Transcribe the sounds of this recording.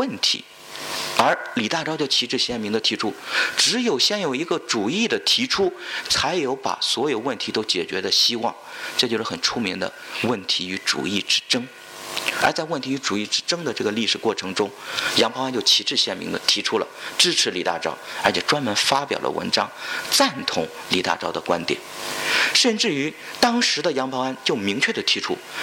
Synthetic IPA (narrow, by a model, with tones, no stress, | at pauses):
wə˥˩nt̪ʰḭ˧˥ | ə˞˧˥li˨˩t̪a˥˩˧ʈ͡ʂɑ˥t͡ɕjo˥˩ʊt͡ɕʰi˧˥ʈ͡ʂɻ̩˥˧ɕjɛ˥˩nmi˧˥ŋd̪ə˨t̪ʰi˧˥ʈ͡ʂʰu˥ʈ͡ʂɻ̩˧˥jo˨˩ʊɕjɛ˥˩njo˨˩ʊi˧˥ɡə˧ʈ͡ʂu˨˩i˥˩d̪ə˩t̪ʰi˧˥ʈ͡ʂʰu˥t͡sʰa˧˥ɪjo˧˥ʊpa̰˨˩swɔ˧˥jo˨˩ʊwə˥˩nt̪ʰi˧˥t̪o˥ʊt͡ɕjɛ˨˩t͡ɕɥɛ˧˥d̪ə˨ɕi˥wɑ˥˩ŋʈ͡ʂɤ˥˧t͡ɕjo˥˧ʊʂ̩˥xə˨˩nʈ͡ʂʰu˥mi˧˥ŋd̪ə̰˧wə˥˩nt̪ʰi˧˥y˧˥ʈ͡ʂṵ˨˩i˥˩ʈ͡ʂɻ̩˥ʈ͡ʂɤ˥ŋ | ə˞˧˥t͡sa˥˧ɪwə˥˩nt̪ʰi˧˥y˧˥ʈ͡ʂu˨˩i˥˩ʈ͡ʂɻ̩˥ʈ͡ʂɤ˥ŋd̪ə˨ʈ͡ʂɤ˥˩ɡə˩li˥˩ʂɻ̩˨˩kwɔ˥˩ʈ͡ʂʰɤ˧˥ŋʈ͡ʂʊ˥ŋjɑ˧˥ŋpʰɑ˧˥ŋa˥nt͡ɕo˥˧ʊt͡ɕʰi˧˥ʈ͡ʂɻ̩˥˧ɕjɛ˥˩nmḭ˧˥ŋd̪ə̰˨t̪ʰi˧˥ʈ͡ʂʰu˥lə̰˨ʈ͡ʂɻ̩˥ʈ͡ʂʰɻ̩˧˥li˨˩t̪a̰˥˩ʈ͡ʂɑ̰˥˩ʊə˞˧˥t͡ɕʰɛ˨˩ʈ͡ʂwa˥nmə˧˥nfa˥pjɑ˨˩ʊlə̰˦wʔə̰˧˥nʈ͡ʂɑ˥ŋt͡sa˥˩nt̪ʰʊ˧˥ŋ | li˨˩t̪a̰˥˧ʈ͡ʂɑ˥˩ʊd̪ə˨kwa̰˥nt̪jɛ̰˨˦nʂə˥˧nʈ͡ʂɻ̩˥˩y˧˥ | t̪ɑ˥ŋʂɻ̩˧˥d̪ə˧jɑ˧˥ŋpʰɑ˧˥ŋa˥nt͡ɕjo˥˩ʊmi˧˥ŋt͡ɕʰɥɛ˥˩d̪ə˩t̪ʰi˧˥ʈ͡ʂʰṵ˥